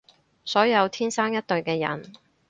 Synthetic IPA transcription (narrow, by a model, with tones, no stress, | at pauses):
sɔː˨˥jɐ˨˧wt̪ʰiː˥nsaː˥ŋjɐ˥t̚t̪ɵ˨ɥkɛː˧jɐ̰˨˩n